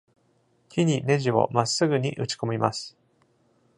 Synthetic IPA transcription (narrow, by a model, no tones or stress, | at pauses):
kʲʰiɲ̟ine̞ʑiβo̞̰masːɨɡɯ̟ɲ̟ḭʔɯ̟t͡ɕi̥ko̞mʲimasɨ̥